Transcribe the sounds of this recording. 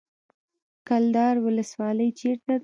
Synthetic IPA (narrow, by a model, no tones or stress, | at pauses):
kald̪ɑɾwʊləswɑləjt͡ʃeɾt̪a